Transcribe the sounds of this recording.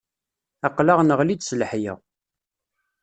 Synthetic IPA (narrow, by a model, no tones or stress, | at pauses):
ɑqlaʁnəʁlid̪sələħjə̰